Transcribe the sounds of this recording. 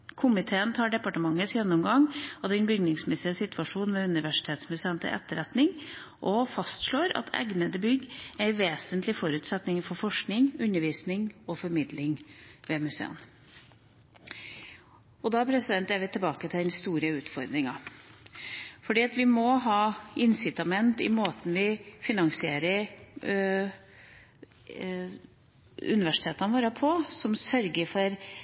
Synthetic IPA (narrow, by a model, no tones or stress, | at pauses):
kʰʊmɪt̪ʰeːənt̪ʰɑːɖɛpɑʈəmɑŋːəsjɛnːʊmɡɑŋɔd̪ɛnbʏɡnɪŋsmɛsɪəsɪt̪ʰʉʋɑʂuːnʋɛʉnɪʋæʂɪ̥t̪ʰeːt̪smʉseːənt̪ʰɪ̰ʔɛ̰t̪ːəɾɛt̪nɪŋ | ʔɔfɑst̪ʂɭoːɾɑ̰t̪ʰɛ̰ɡnəd̪əbʏɡːæɪʋeːsənt̪lɪfɔɾʉːt̪sɛt̪nɪŋfɔɾfɔʂknɪŋʉnːəɾʋiːsnɪŋɔfɔɾmɪd̪lɪŋʋɛmʉsḛːə̰n | ɔd̪ɑpʰɾɛsɪd̪ɛnt̪æɾʋɪt̪ʰɪlbɑːkət̪ʰɪld̪ɛnst̪uːɾəʉːt̪fɔɾd̪ɾɪŋɑ | fɔɖiːɑt̪ʋɪmɔɦɑːɪnsɪt̪ɑmɛnt̪ɪ̰moːt̪n̩ʋɪfɪnɑŋsɪeːɾəɾ | ʉ̰nɪʋæʂɪ̥t̪ʰeːt̪ɑnʋoːɾəpʰɔsɔmsœɾɡəɾfɔɾ